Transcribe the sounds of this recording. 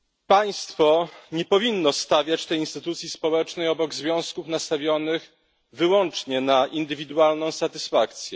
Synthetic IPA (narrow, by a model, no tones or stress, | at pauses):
paj̃st̪fɔɲɛpɔvʲinːɔst̪avʲjat͡ɕt̪ɛjinst̪ɘt̪ut̪sʲjispɔwɛt͡ʂnɛjɔbɔɡzvʲjɔ̃w̃skufnast̪avʲjɔnɘx | vɘwɔnt͡ʂɲɛnaʔind̪ɘvʲid̪ualnɔ̃w̃sat̪ɘsfakt̪sʲjɛ